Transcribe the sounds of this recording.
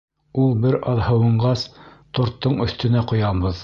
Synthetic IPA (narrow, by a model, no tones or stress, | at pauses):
ulˠbɘɾɑðhɤ̆wɤ̆ɴɢɑst̪ŏɾt̪ːɤɴɵ̆θt̪ɵ̆næqŏjɑbɤð